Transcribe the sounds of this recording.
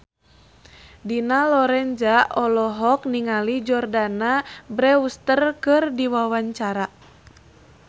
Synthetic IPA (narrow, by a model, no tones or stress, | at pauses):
dinalɔɾɛnd͡ʒaʔɔlɔɦɔk̚niŋalid͡ʒɔrdanabɾɛust̪ərkɨrdiwawaɲt͡ʃaɾa